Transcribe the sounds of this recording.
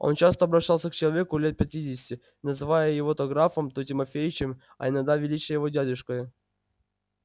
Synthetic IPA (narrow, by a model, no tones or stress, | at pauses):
o̰nt͡ɕast̪əɐbɾɐɕːalˠsʲəkt͡ɕɪlˠɐvʲe̞kʊlʲe̞t̪̚pʲɪtʲidʲɪsʲɪ̥tʲɪ | nəzɨvajəjɪvot̪oɡɾafəmt̪otʲɪmɐfʲejɪt͡ɕɪm | ɐ̰ɪnaɡd̪avʲɪlʲit͡ɕɪjəjɪvo̞dʲadʲʊʂkəjʊ